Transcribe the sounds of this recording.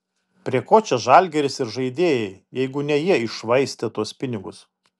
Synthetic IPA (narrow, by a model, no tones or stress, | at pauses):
pʲɾʲiɛkoːt͡ʃʲɛʒɐlʲɡʲɛɾʲɪsɪɾʒɐɪd̪ʲeːjɛjɛɪɡʊnʲɛjiɛɪʃʋɐɪsʲt̪ʲet̪uɔspʲɪnʲɪɡʊs